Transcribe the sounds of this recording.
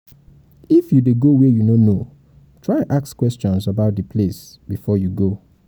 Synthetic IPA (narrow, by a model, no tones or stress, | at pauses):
ifjudeɡowɛjunono | tʰɹ̥aɪãnʔakskwɛst͡ʃɔ̃nsabaʊt̚dəpʰles | b̥ifɔjuɡo